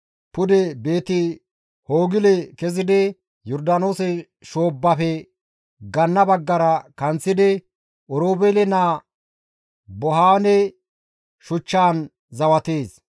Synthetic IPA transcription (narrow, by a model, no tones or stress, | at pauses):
pʊd̪ɛbe̞ːt̪ɪ | hoːɡɪlɛkɛzɪd̪ɪ | jɔɾd̪ɐnoːsɛ | ʃoːbːɐfɛ | ɡɐnːɐbɐɡːɐɾɐkɐnt͡sːɪd̪ɪ | ɔɾoːbelɛnaː | bɔɦaːnɛ | ʃʊt͡ʃːaːn | zɐwɐt̪eːs